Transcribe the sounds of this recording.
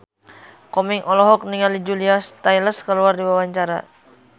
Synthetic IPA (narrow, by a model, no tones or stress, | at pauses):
kɔmiŋʔɔlɔɦɔk̚niŋalid͡ʒuliast̪ajləskəluardiwawaɲt͡ʃaɾa̰